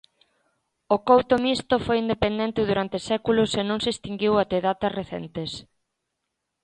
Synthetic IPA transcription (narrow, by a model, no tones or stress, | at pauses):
ʊkowt̪omist̪ʊfojind̪epend̪ent̪ɪðuɾant̪ɪsɛkulʊsenõŋsɪst̪iŋɡiwat̪eðat̪ɐsreθɛ̰nt̪ɪs